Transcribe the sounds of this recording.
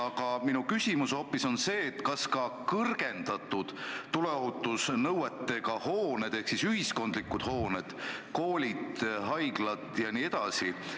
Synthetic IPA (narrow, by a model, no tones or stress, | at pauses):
ɑɡ̥ɑminukysʲimusho̞pːˑiso̞nse̞ːt̪ːkɑskɑkɤrɡ̥e̞nd̪̥ɑt̪ːˑud̪̥t̪uleoɦut̪ːˑusnɤwet̪ːe̞kɑhoːned̪̥e̞hksisyɦisko̞nd̪̥likːˑud̪̥ho̞ːned̪̥koːlʲid̪ɦɑjɡ̥lɑt̪ˑjɑniːe̞d̪ɑsi